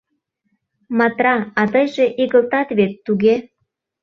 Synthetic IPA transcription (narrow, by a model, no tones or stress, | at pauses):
mɑt̪rɑɑt̪əjʒeʔiɣəlt̪ɑt̪βet̪ːuɣe